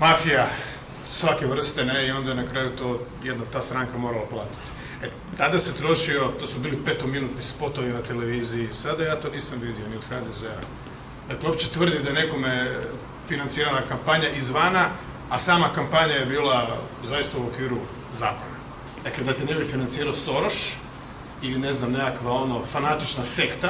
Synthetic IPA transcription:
mafija | sʋake̞ʋr̩st̪eneio̞nd̪ajnakɾaːjut̪o̞ːjed̪not̪aːst̪ɾaːŋkamo̞ɾalˠaplˠaːt̪i̥t̪i̥ | e | t̪ad̪ase̞t̪ɾo̞ʃio̞t̪oːsubiːlipe̞t̪ominuːt̪nispo̞t̪o̞ʋinat̪ele̞ʋiːzijisad̪ajaːt̪o̞ːniːsamʋid̪io̞niod̪xad̪ezea̰ | d̪akleop̚t͡ɕet̪ʋr̩d̪imd̪ajene̞ko̞me | finant̪siːɾanakampaɲaʔizʋanaː | saːmakampaɲajebiːlˠa | zajist̪auo̞kʋiːɾu | zaːko̞na | d̪akled̪at̪ene̞bifinant̪siːɾaoso̞ɾoʃ | iline̞znamnekakʋao̞nofanat̪it͡ʃnase̞kt̪a

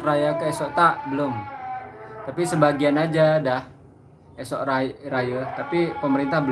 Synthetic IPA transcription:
rajakəesɔʔt̪aʔbəlʊm | t̪apisəbaɡianad͡ʒadah | esɔʔarajət̪apipəməɾint̪ahbə

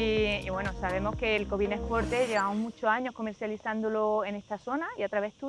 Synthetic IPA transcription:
iiβwe̞nosaβ̞e̞mo̞hke̞ːlko̞βinehpo̞ɾt̪e̞ʝe̞β̞amoɦmut͡ʃoaɲo̞hko̞me̞ɾθjaliθand̪olo̞e̞ne̞st̪aso̞naiat̪ɾaβe̞ht̪u

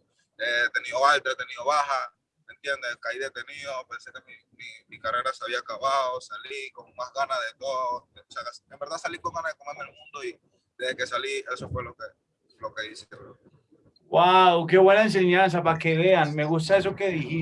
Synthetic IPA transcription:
et̪enioalt̪ɾat̪enioβaha | ent̪jend̪ekaiðet̪eniopensekemi | mimikareɾaseaβiaːkaβaðosalikomomasɣanaðet̪oðooseakasembeɾðasalikoŋɡanaekomẽnd̪elmũnd̪oi | d̪eðekesaliesofweloke | lokeðise̥ke | wawkeβwenaẽns̬eɲãns̬apakeðeanmeɣus̬t̪aes̬okeðihi

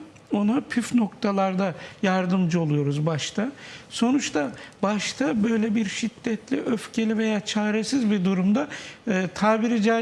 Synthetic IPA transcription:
o̞napʰyfno̞kt̪ʰalˠaɾd̪ajaɾd̪ɯmd͡ʒɯo̞lˠujo̞ɾuzbaʃt̪ʰaso̞nut͡ʃt̪ʰabaʃt̪ʰabø̞jlʲɛbiɾʃid̪ːɛt̪lʲiʔøfcʰe̞lʲive̞jaːt͡ʃʰaːɾe̞sizbid̪uɾumd̪aːt̪ʰaːbiɾid͡ʒa

